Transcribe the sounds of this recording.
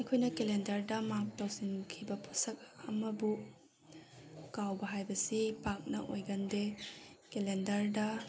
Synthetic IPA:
ɐkʰojnɐkelendɐɾdɐmak̚tawsinkʰibɐpʰu̥sɐk̚ɐmɐbu | kawbɐɦajbɐsipak̚nɐʔo̰jɡɐndekelendɐɾdɐ

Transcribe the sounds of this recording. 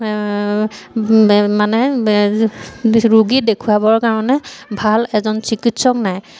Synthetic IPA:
manɛ | ɹuɡidekʰuabɔɹkaɹɔnɛbʱalɛzɔnsikitsɔknaj

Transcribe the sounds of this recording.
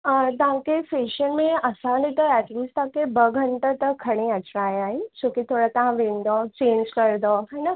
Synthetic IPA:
t̪ɐʋ̤ãkefeːʃənmẽɐsãːit̪ɐɛːʈliːst̪ɐɦãkʰebɐɡʱɐ̃ɳʈet̪ɐkʰːɐɽ̃eɐt͡ɕɾaːeaːɦɪnɪ̆d͡ʑoːkit̪ʰoːɽat̪ɐʋ̤ãʋẽːnd̪ot͡ɕẽːɲd͡ʑkɐɾ̃d̪oːɦaːna

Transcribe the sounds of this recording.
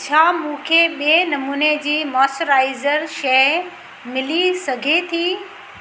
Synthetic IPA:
t͡ɕʰaːmũːkʰeɓienɐmuːned͡ʑiːmɔːsʈəɾaːɪzəɾʃɐ | mɪlisɐɡʱet̪ʰiː

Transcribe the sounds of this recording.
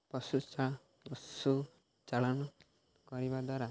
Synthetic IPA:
pɔsut͡ʃa | pɔsu | t͡ʃaɭɔnɔ | kɔɾibad̪waɾa

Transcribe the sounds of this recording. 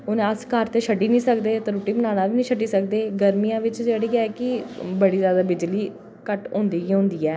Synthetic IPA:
onẽəskəɾt̪eːʃʰəɖiːnĩːsəkd̪eːt̪eɾuːʈiːbənaːnaːʋiːnĩːʃəɖiːsək̚d̪eːɡəɾmijãːʋɪt͡ʃd͡ʒeːɽiɡɛːkɪbəɽiːzjaːd̪aːbɪd͡ʒliː | kəʈɦõːnd̪iːɡiːɦõːnd̪iːɛː

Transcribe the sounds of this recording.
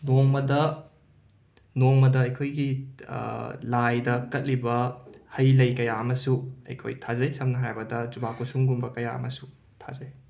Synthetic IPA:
noŋmɐdɐ | noŋmɐdɐːjkʰojɡḭ | lajdɐkɐt̚libɐhɐjlɐjkɐjaɐmɐsuɐ̰jkʰo̰jtʰazɐjsɐmnɐɦajbɐdɐd͡ʒubakusuŋɡunbɐkɐjaɐ̰mɐsu | tʰa̰zɐj

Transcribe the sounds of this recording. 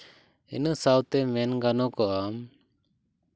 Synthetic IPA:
inəsawt̪ɛmɛnɡanɔkɔʔam

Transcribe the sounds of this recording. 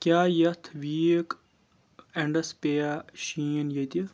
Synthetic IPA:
kʲjaːjɐt̪ʰʋiːk | ɐɳɖɐspejaɕiːnjɐt̪i

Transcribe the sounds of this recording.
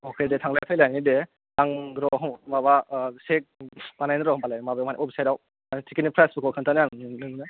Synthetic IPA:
ɔkʰedetʰaŋlajpʰajlajnide | aŋɾɔɦɔmaβasek̚panajnɯɾɔɔmpalajmabamanḭʔɔbisajɾaw | tikinipʰɾasbukʰɔkʰɯntʰanaŋnɯŋnɯ

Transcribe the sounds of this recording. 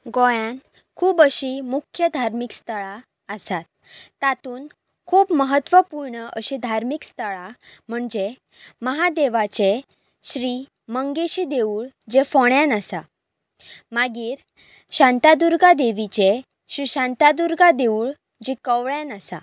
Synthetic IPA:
ɡojãn | kʰuːbəɕimukʰjəd̪ʱaɾmikst̪əɭa | əsat̪̚ː | at̪uːn | kʰuːbməɦət̪ʋəpuɾɳəʔəɕid̪ʱaɾmikst̪əɭam̤əɳd͡ʑe | məɦad̪eʋat͡ɕe | ɕɾiː | məŋɡeɕiːd̪euːɭd͡ʑefoɳjãnasa | maɡiːɾ | ɕãnt̪ad̪uɾɡad̪eʋit͡ɕe | ɕɾiɕant̪ad̪uɾɡad̪euɭ | d͡ʑikəʋɭjãnəsa̰

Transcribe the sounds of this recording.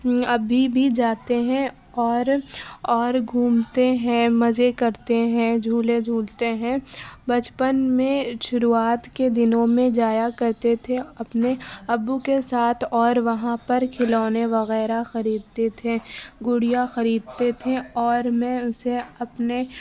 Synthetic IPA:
ɐbʱibʱid͡ʒaːt̪eɦɛ̃ | ɔːɾɔːɾɡʱuːmt̪eɦɛ̃mɐzekɐɾt̪eɦɛ̃d͡ʒʱuːled͡ʒʱuːlt̪eɦɛ̃bɐt͡ʃpənmẽʃʊɾuaːt̪ked̪ɪnõmẽd͡ʒaːjakɐɾt̪et̪ʰeɐpneɐbːukesaːt̪ʰɔːɾʋɐɦãpɐɾkʰɪlɔːneʋɐɣɛːɾaxɐɾiːd̪̚t̪et̪ʰeɡʊɽijaxɐɾiːd̪̚t̪et̪ʰeɔːɾmɛ̃ʊseɐpne

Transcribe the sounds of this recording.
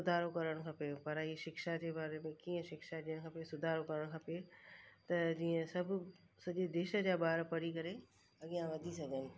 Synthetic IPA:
sʊd̪ʱaːɾokɐɾəɽ̃̆kʰãpepɐɾɦiːʃɪkʃad͡ʑeːbaːɾemẽkiːə̃ʃɪkʃad͡ʑiːəɽ̃kʰapesʊd̪ʱaːɾokɐɾəɽ̃kʰapet̪ɐd͡ʑiːə̃sɐbʱʊ | sɐʄed̪eːʃə̆d͡ʑaːɓaːɾpɐɽikɐɾe | ɐɠijãʋɐd̪ʱisɐɡʱənɪ̆

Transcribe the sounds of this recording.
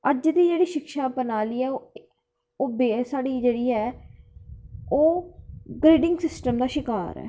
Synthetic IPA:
əd͡ʒd̪iːd͡ʒeːɽiːʃɪkʃaːbənaːliːɛːo | oːbeːsaːɽiːd͡ʒeːɽiːɛː | oːɡɾiːɖɪŋɡsɪsʈəmd̪aːʃɪka̰ːɾɛ̰ː

